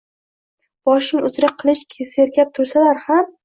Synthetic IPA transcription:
b̥ɒʃɪŋʊzɾaqʰːɨlˠɪʃkʲʰseɾkʲap̚t̪ʰʊɾsalaɾham

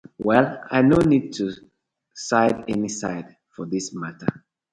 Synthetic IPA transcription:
wɛla̰ɪnonid̚tʰu | saɪdɛnisa̰ɪd | fɔðismatə̰

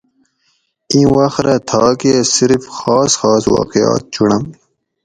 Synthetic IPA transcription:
ĩːwɐxt̪ɾat̪ʰɑːkesiɾfxɑːsxɑːswɑ̰ːqijɑ̰ːt̪̚t͡ɕʰuɳɐm

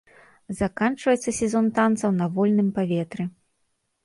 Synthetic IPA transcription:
zakant͡ʂvɐjɛt̪sːɐsʲɛzɔnt̪ant̪sɐwnɐvɔlʲnɨmpavʲɛt̪ɾɨ

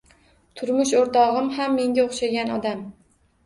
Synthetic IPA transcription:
t̪ʰʊɾmʊʃoɾt̪ʰɒʁɨmhamːe̞ŋɡʲaoχʃaɡʲanɒd̪am

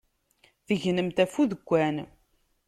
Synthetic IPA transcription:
θəʝnəmt̪æfuðəɡʷːæn

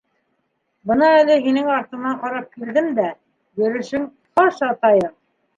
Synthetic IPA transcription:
bɤnɑælɘɦinɘŋɑɾt̪ɤ̆nɑɴqɑɾɑp̚kild̪ɘmd̪æ | jɵ̆ɾɵ̆ʃɘŋ | χɑʃɑt̪ɑjɤɴ

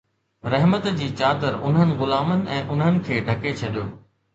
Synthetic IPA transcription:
ɾɐɦmət̪d͡ʑiːt͡ɕaːd̪əɾʊnɦənɪ̆ɣʊlaːmənɪ̆ʔɛ̃ːʔʊnɦənɪ̆kʰeːɖʱɐket͡ɕʰɐɗijo̰ː

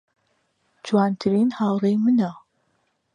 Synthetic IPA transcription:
d͡ʒwaːnt̪ʰɨɾiːnhaːwrejmɨna

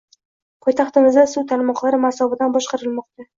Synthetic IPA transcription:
pʰɒjt̪ʰɑχt̪ɪmɪzd̪asuwt̪ʰalmɒqlˠaɾɪmasɒbɪd̪anbɒʃqɑɾɪlmɒq̚t̪a

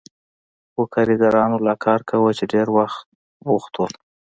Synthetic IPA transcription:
wəkʰaɾiɡaɾɑnolɑkʰɑɾkawət͡ʃeɖeɾwaxt̪̚ | wuxt̪o

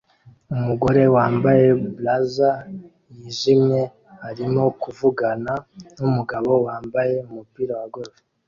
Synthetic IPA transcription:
umuɡo̞ɾe̞waːmbaje̞blaza | jiʒimɲe̞ | haɾimo̞kuvuɡananumuɡaβo̞waːmbaje̞umupiːɾawaɡoɾoɾe

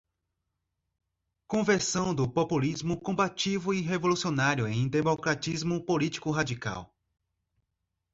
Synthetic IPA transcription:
kõveɾsɐ̃w̃d̪ʊpopulizmʊkõbat͡ʃivʊiɦevolusionaɾjʊẽj̃d̪emokɾat͡ʃizmʊpolit͡ʃi̥kʊɦad͡ʒika̰w

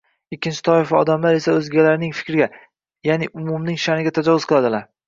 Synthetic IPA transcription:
ɪkʲːɪnt͡ʃʰɪ̥t̪ʰɒɪfɒ̰d̪amlaɾe̞saɵzɡʲalaɾnɪŋfɪ̥kʲɾɡʲa | janɪʔʊmʊmnɪŋʃanɪɡʲat̪ʰad͡ʒɒvʊzqʰɨlˠad̪ɪlaɾ

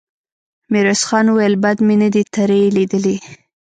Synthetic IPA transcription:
miɾosxɑnuwajəlbad̪menad̪it̪ʰaɾelid̪əli

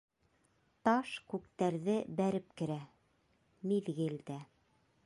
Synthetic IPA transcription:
t̪ɑʃkʉk̚t̪æɾðɘbæɾɘp̚kɘ̆ɾæ | miðɡɘld̪æ

